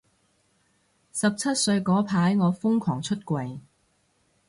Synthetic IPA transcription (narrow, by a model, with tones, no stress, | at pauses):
sɐ˨p̚t͡sʰɐ˥t̚sɵ˧ɥkɔː˨˥pʰaː˨˥jŋɔː˨˧fʊ˥ŋkʰwɔː˨˩ŋt͡ʃʰɵ˥t̚kʷɐ˨j